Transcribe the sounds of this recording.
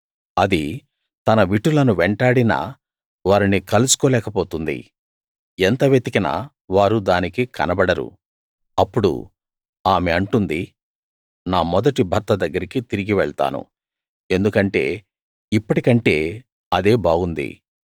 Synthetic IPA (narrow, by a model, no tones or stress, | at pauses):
ɐd̪i | t̪ɐnɐʋiʈːulɐnuʋeɳʈaːɽinɐ̰ː | ʋaːɾinikɐlusu̥kɔːlɛːkɐpoːt̪und̪ḭ | ent̪ɐʋet̪ikɐnɐ̰ | ʋaːɾud̪aːnikikɐ̰nɐbɐɽɐɾṵ | ɐpːuɽṵ | aːmeɐɳʈund̪i | naːmɔd̪ɐʈibʱɐɾt̪ɐd̪ɐɡːɐɾikit̪iɾiɡiʋɛɭt̪a̰ːnṵ | e̞nd̪ukɐɳʈe̞̰ː | ipːɐʈikɐɳʈe̞ː | ɐd̪e̞ːbaːɡund̪ḭ